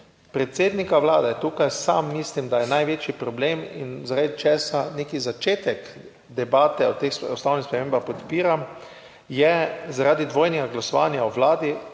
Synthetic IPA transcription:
pɾɛt̪seːd̪nikaʋlaːd̪ɛt̪uːkajsa̰mːislimd̪ajɛnajʋeːt͡ʃipɾɔbleminzaɾat̪t͡ʃɛːsanekizat͡ʃeːt̪ɛk | d̪ɛbaːt̪ɛɔt̪exsɔsnawnixspɾɛmeːmbaxpɔt̪piːɾam | jɛzaɾaːd̪id̪ʋoːjnɛɡaɡlasɔʋanjaɔʋlaːd̪i

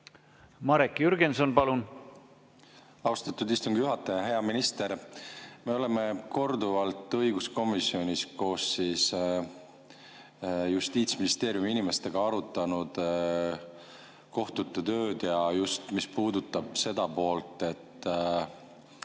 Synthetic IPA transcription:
mɑɾekjyɾɡenso̞npɑlun | ɑwst̪ɑt̪ːud̪ist̪uŋɡ̥ijuɦɑt̪ːˑeɑɦe̞ɑminist̪e̞ɾme̞o̞le̞me̞ko̞rd̪uvɑlt̪ːˑɤjɡ̥usko̞misːio̞nʲisko̞ːsːis | just̪iːt̪sminist̪e̞ːɾjumiinime̞st̪e̞ɡ̥ɑɑɾut̪ːˑɑnud̪̥ | ko̞ht̪ut̪ːet̪ø̞ːd̪̥jɑjust̪mispuːd̪ut̪ːˑɑb̥se̞d̪̥ɑpo̞ːlt̪ːˑe̞t̪ːˑ

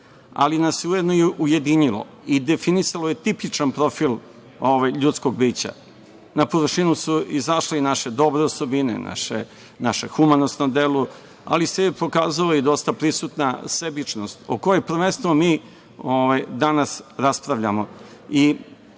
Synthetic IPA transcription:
a̰linasjeujed̪nojeʔuje̞d̪iɲilo̰ | id̪e̞finisaloje̞t̪ipit͡ʃanpɾo̞filˠ | oʋajʎuːt̪sko̞ɡ̚biːt͡ɕa̰ | napoʋrʃinusuizaʃleinaʃe̞d̪o̞bɾeoso̞binḛna̰ʃe | naʃexumanosnomd̪elu | a̰lisepo̞kaːzaloid̪o̞st̪apɾisut̪nasebit͡ʃnost̪okojepɾʋe̞nst̪ʋomiː | oʋajd̪anasɾaspɾaʋʎamo̞i

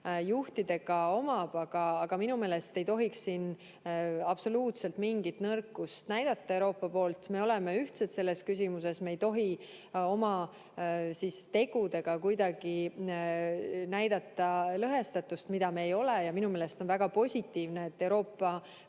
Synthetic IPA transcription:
juht̪id̪e̞ɡ̥ɑo̞mɑb̥ɑɡ̥ɑɑɡ̥ɑminume̞ːle̞st̪e̞jt̪o̞ɦiksːin | ɑb̥so̞luːt̪se̞lt̪miŋɡit̪nɤrkːˑust̪næjd̪̥ɑt̪ˑːɑewɾo̞ːpːˑɑpo̞ːlt̪me̞o̞le̞me̞yht̪set̪se̞lːe̞skys̬ʲimuse̞smeejt̪o̞ɦi | o̞mɑ | sist̪e̞ɡ̥ud̪e̞ɡ̥ɑkujd̪ɑɡ̥i | næjd̪ɑt̪ːˑɑlɤɦe̞st̪ɑt̪ːˑust̪mid̪̥ɑmeːjo̞lejɑminume̞ːle̞st̪o̞nvæɡ̥ɑpo̞sʲit̪ːiːvneːt̪ːe̞wɾo̞ːpːˑɑ

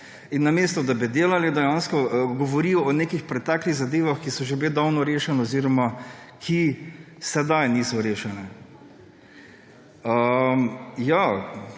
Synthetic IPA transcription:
inːameːst̪ɔd̪abid̪eːlalid̪ɛjanskɔɡɔʋɔɾiːɔɔneːkixpɾɛt̪akliɣzad̪eːʋaxkisɔʒebed̪awnɔɾeːʃɛnɛɔziːɾɔmakʰi | sɛd̪ajniːsɔɾeːʃɛnɛ | əmja

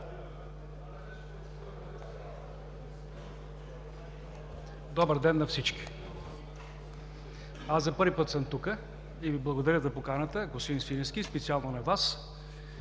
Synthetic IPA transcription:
d̪ɔbəɾd̪ɛnːɐfsit͡ʃkʲi̥ | azzɐpɤɾvipət̪səmt̪ukə | iviblˠɐɡod̪ɐɾəzɐpokanət̪əɡosinsinɛskʲispɛt̪sialˠnonɐvas

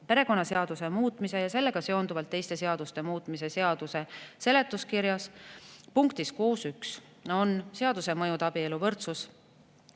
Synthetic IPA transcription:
pe̞ɾe̞ko̞nːɑse̞ɑd̪̥use̞muːt̪ːˑmise̞jɑse̞lːe̞ɡ̥ɑse̞o̞nd̪uvɑlt̪ːe̞jst̪e̞se̞ɑd̪̥ust̪e̞muːt̪ːˑmise̞se̞ɑd̪̥use̞se̞le̞t̪ːˑuskiɾjɑspuŋkt̪iskoːsyks | o̞nse̞ɑd̪use̞mɤjud̪ɑb̥ie̞luvɤrt̪sus

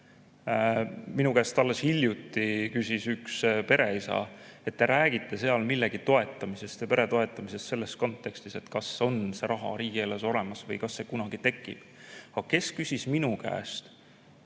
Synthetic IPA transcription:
minukæːst̪ɑlːe̞shiljut̪ːˑikysisykspe̞ɾe̞isɑ̰e̞t̪ːe̞ɾæːɡit̪ːˑe̞se̞ɑlmilːe̞ɡ̥it̪o̞e̞t̪ˑːɑmise̞st̪jɑpe̞ɾe̞t̪o̞e̞t̪ːˑɑmise̞st̪se̞lːe̞sko̞nt̪ːˑe̞kst̪ise̞t̪kɑso̞nse̞ɾʔɑɦɑ̰ɾiːɡie̞lːeso̞le̞mɑsvɤjkɑsːe̞kunɑɡ̥it̪e̞kːˑḭb̥ɑ̥ɑke̞skysʲisminukæ̰ːst̪

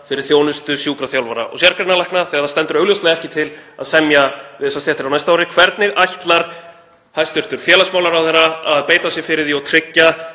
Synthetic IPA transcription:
fɪɾɪɾ̥θjoːwnʏst̪ʏsjuːkɾaθjawlvaɾa̰ʔɔ̰sjaɾkɾɪnːalajhknaθɛɣaɾθast̪ɛnt̪ʏɾœːɣljʏwst̪lɛɣɛhcɪt̪ʰɪla̰ðsɛmjavɪːsast̪jɛht̪ɪɾawnajst̪aawɾɪkʰvɛɾt̪nɪɣajçt̪laɾ̥ | hajst̪ʏɾ̥t̪ʏɾ̥fjɛːlasmawlaɾawθɛrːaaðpeːjt̪asjɛfɪɾɪðiɔɣt̪ʰɾɪcːa

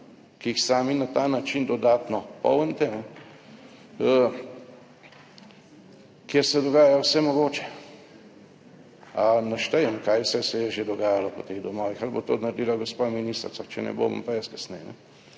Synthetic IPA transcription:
kiixsaːminat̪anat͡ʃind̪ɔd̪aːt̪nɔpɔ̰wənt̪ɛnɛ | ə | kjeɾsɛd̪ɔɡaːjajowsɛmɔɡoːt͡ʃɛ̥ | anaʃt̪ɛjəmkajsɛsɛjɛʒed̪ɔɡaːjalɔpɔt̪eɣd̪ɔmɔːʋixalbo̰t̪ot̪naɾed̪ilaɡospaminist̪ɾt͡s̪at͡ʃɛnɛ̰bo̰mɐ̰mpajɛskḁsnɛjnɛ̰

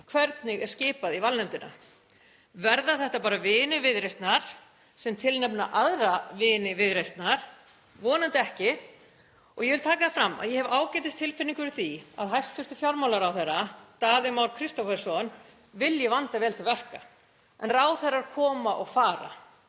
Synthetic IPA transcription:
kʰvɛɾt̪nɪɣɛɾ̥scɪːpaðivalnɛmt̪ɪna̰ | vɛɾðaθɛht̪apaːɾavɪːnɪvɪðɾejst̪naɾ̥ | sɛmt̪ʰɪlnɛpna̰ʔaðɾavɪːnɪvɪðɾejst̪naɾ̥ | vɔːnant̪ɛhcɪ | ɔ̰ɣjɛvɪlt̪ʰaːkaθɪfɾamːa̰ðjɛhɛvaːwcɛjt̪ɪst̪ʰːɪlfɪnːiŋkʏɾθia̰ðɦajst̪ʰʏst̪ʏfjaɾmawlaɾawθɛrːat̪aːðɪmaːwɾ̥kʰɾɪst̪ɔfɛ̥sɔn | vɪljɛvant̪avɛːlt̪ʰɪlvɛr̥ka̰ | ʔɛ̰nraːwθɛrːaɾ̥kʰɔːmaʔɔɣfaːɾa̰

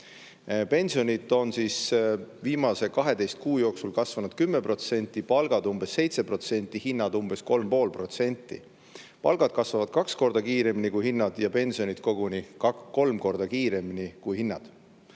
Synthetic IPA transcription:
pe̞nʲsio̞nʲit̪ːˑo̞nsisviːmɑse̞kɑɦe̞d̪e̞jst̪̚kuːjo̞ːksulkɑsvɑnud̪̚kymːepro̞t̪se̞nʲt̪ːˑipɑlɡ̥ɑd̪umb̥e̞sːe̞jt̪se̞pro̞t̪se̞nʲt̪ːˑihinːɑd̪̥umb̥e̞sko̞lmpo̞ːlpro̞t̪se̞nʲt̪ːˑḭ | pɑ̰lɡ̥ɑd̪̥̚kɑsvɑvɑd̪̥kɑksko̞rd̪̥ɑkiːɾe̞minikujhinːɑd̪̥jɑpe̞nʲsio̞nit̪ko̞ɡ̥unikɑko̞lmko̞rd̪̥ɑkiːɾe̞minikujhinːɑ̰d̪̥

